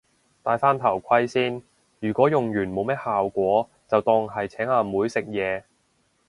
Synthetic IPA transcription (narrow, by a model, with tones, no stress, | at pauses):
t̪aː˨˧jfaː˥nt̪ʰɐ˨˩wkʷʰɐ˥jsiː˥n | jyː˨˩kʷɔː˨˥jʊ˨ŋjyː˨˩nmo˨˧wmɛː˥t̚haː˨wkʷɔː˨˥ | t͡sɐ˨wt̪ɔː˧ŋɦɐ˨jt͡sʰɛː˨˥ŋaː˧muː˨˥jsɪ˨k̚jɛː˨˧